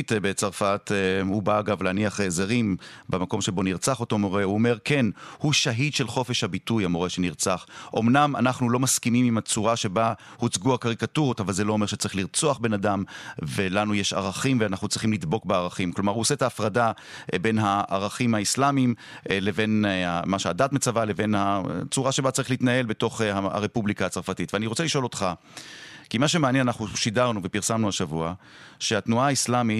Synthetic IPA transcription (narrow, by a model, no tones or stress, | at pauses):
t̪bet͡saʁfathubaːɡavleːniaχezeʁimbemako̞mʃe̞bo̞niʁt͡saχoto̞mo̞ʁe̞uome̞ʁke̞nhuʃaɦidʃe̞lχo̞fe̞ʃhabitujamoʁeʃeniʁt͡saχʔo̞mnamanaχnulo̞maskimimimat͡suʁaʃe̞bahut͡sɡuakaʁikatuʁotavalzelo̞ome̞ʁʃe̥t͡saʁiχliʁt͡soaχbe̞nadamvelanujeʃa̰ʁaχimveanaχnut͡sʁiχimlid̪bo̞kbeaʁaχimklo̞maʁhuosetaːfʁada | be̞nɦaʔːʁaχimhaislamim | le̞ve̞namaʃeadatmet͡savale̞ve̞nhat͡suʁaʃebat͡saʁiχliitnae̞lbe̞to̞χaa̰ʁepublikaat͡saʁfatitveaniʁo̞t͡seliʃo̞lo̞tχa | kimaʃe̞meanjenanaχnuʃidaʁnuvepiʁsamnuaʃavua | ʃeatnuaaislami